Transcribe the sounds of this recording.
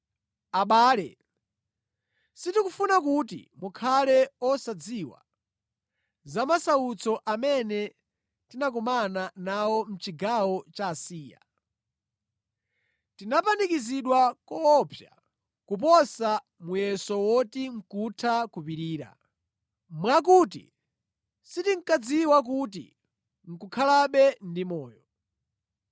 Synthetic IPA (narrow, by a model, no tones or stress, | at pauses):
aɓaːlɛ | sitikufunakutḭmukʰalɛɔsad͡ziwa̰ | zamasaut͡sɔʔamɛnɛ | tinak̬umananawɔm̩t͡ʃiɡawɔt͡ʃaːsiːja̰ | tinapanikiziɗwakɔːpʰja | kupɔsa | mujɛsɔwɔtiŋ̩kutʰakupiɾiːɾa̰ | mwak̬ut̬ḭ | sitiŋ̩kad͡ziwak̬ut̬ḭ | ŋ̩kukʰalaɓɛndimɔːjɔ